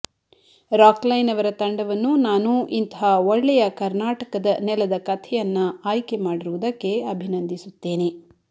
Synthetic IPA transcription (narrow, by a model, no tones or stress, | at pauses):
ɾaːklɐjnɐʋɐɾɐt̪ɐɳɖɐʋɐnːunaːnuʔint̪ɐɦaːoɭːɛjɐkɐɾnaːʈɐkɐd̪ɐnɛlɐd̪ɐkɐt̪ʰɛjɐnːɐaːjke̞maːɽiɾuʋud̪ɐkːe̞ɐbʱinɐnd̪ʱisut̪ːeːne